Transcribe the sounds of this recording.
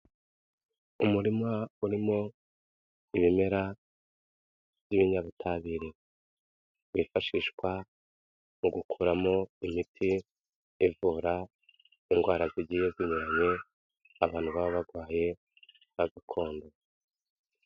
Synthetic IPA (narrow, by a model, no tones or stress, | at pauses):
umuɾimauɾimo̞ | iβime̞ɾa | b̥jiβiɲaβutʰaβiɾe | βifaʃiʃkwa | muɡukʰuːɾamo̞imitʰi | ivuːɾa | iŋɡwaːɾaziɟiːjoziɲuɾaɲe̞ | aβaːn̥huβaβoβaɡwaːje̞ | aɡakʰo̞ːndo